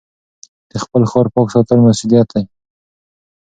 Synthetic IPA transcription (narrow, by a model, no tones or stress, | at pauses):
d̪̥əxpəlxɔɾpɔksɑt̪əlmasud̪ijat̪̚aj